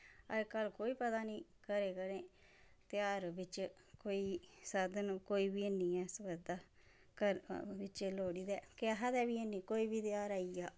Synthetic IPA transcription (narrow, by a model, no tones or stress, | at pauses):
ə̰ɾkəlkoːiːpət̪aːnĩːkəɾeːkəɾẽː | t̪ɪjaːɾʋɪt͡ʃ | koːiːsəd̪nkoːiːbiːəniːɛːsəbəd̪aː | kəɾʋɪt͡ʃloːɽiːd̪ɛːkɪaɦad̪ɛːbiːənːiːkoːiːbiːt̪ɪjaːɾaːiaː